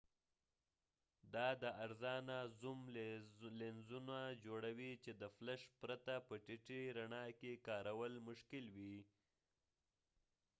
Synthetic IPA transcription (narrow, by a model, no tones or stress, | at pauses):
d̪ɑd̪əaɾzɑnazum | lenzunad͡ʒoɽawit͡ʃed̪əflaʃpɾat̪apəʈɪʈiɾaɳɑkekɑɾawəlmʊʃkɪlwi